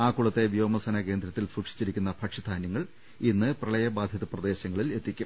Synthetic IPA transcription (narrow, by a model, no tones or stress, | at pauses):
aːkːuɭɐt̪ːe̞ʋjoːmɐsɐnɐke̞ːnd̪ɾɐt̪ːilsuːkʂi̥t͡ɕːiɾikʲːunːɐpʰɐkʂid̪ʰʱaːnjɐŋːɐɭ | inːɨprɐɭɐjɐbaːd̪ʱjɐðɐprɐd̪e̞ːɕɐŋːɐɭile̞t̪ːikʲːum